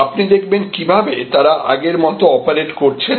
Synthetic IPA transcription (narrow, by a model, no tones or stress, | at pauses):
apnid̪ek̚ʰbenkibʱabet̪aɾaʔa̰ɡeɾmɔt̪oɔpaɾeʈkoɾt͡ɕʰe